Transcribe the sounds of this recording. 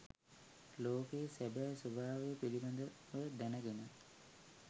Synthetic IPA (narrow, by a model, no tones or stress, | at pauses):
loːkejsæbæːsubʱaːʋejəpiliband̪ə | ʋəd̪ænəɡenə